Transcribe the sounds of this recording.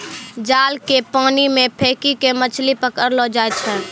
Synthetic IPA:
d͡ʒaːlkepaːnimẽpʰeːkikemət͡ʃʰlipəkəɾlod͡ʒaːet͡ʃʰɛː

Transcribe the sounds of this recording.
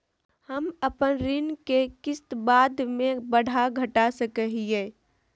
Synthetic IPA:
həməpənɾɪnkekɪst̪baːd̪mẽbəɽ̤ʱaɡʱəʈasəkəɦie

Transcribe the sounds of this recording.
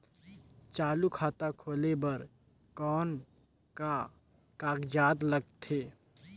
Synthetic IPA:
t͡ʃaːlukʰaːt̪akʰoːlebɐɾ | kɔːn | ka | kaːɡd͡ʒaːd̪ləɡ̚t̪ʰːeː

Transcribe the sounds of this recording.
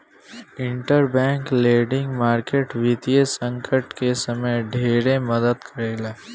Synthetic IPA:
ɪ̃ɳʈəɾbɛ̃ːŋkleːɖɪ̃ŋɡmaːɾkeːʈʋit̪ijesə̃ŋkʰəʈkesɐməjɖʱeːɾeməd̪əd̪kʰəɾeːleː

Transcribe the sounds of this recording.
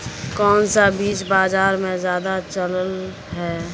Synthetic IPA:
kɔːnsabiːt͡ʃbaːzaːɾmẽzjaːd̪at͡ʃələl | ɦɛː

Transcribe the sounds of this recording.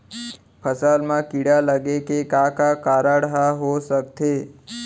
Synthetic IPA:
pʰəsalmãkiɽaləɡekekãkakaɾaɽɦaɦosəkt̪e

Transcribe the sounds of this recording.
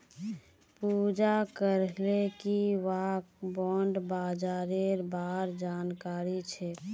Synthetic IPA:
pud͡ʒakəɾlekiʋakbɔːɳɖbaːd͡ʒaːɾeɾbaːɾd͡ʒaːnkaːɾit͡ʃʰɛ

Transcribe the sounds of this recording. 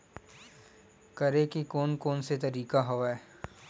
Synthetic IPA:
kɐɾekikoːnkoːnset̪ɐɾiːkaɦoʋaeː

